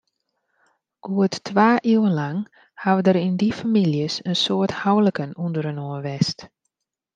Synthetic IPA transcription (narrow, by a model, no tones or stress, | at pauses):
ɡ̥uətːʋaːʔiwənlaŋ | haʋədəɾindifamiljəsənsoəthawləkənundəɾənoːʋɛst